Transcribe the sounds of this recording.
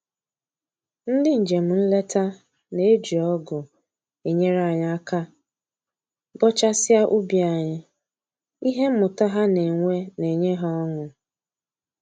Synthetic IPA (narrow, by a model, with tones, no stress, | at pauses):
n̩˦dɪ˦n̩˨d͡ʒe˨m̩˨n̩˦le˦ta˦ | ne˨˦e˦d͡ʒi˨ɔ˦ɡʊ˨ | e˨ɲe˦ɾa˦˨ɲ˨˦a˦ka˦ | bɔ˦t͡ʃa˦sɪ˦a˦ʔu˦bi˨a˨ɲɪ˦ | i˦ɦe˦m̩˦mʊ˨ta˦ɦa˦ne˨ŋʷe˦ne˨ɲe˦ɦa˦ɔ˦ŋʊ˨